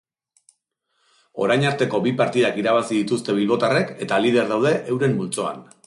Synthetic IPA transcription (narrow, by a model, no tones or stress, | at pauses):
o̞̰ɾajɲaɾt̪e̞ko̞bipaɾt̪iðakiɾaβ̞asiðit̪ust̪e̞β̞ilβo̞t̪are̞ke̞t̪alið̞e̞ɾðawð̞e̞ʔewɾe̞mbult͡so̞a̰n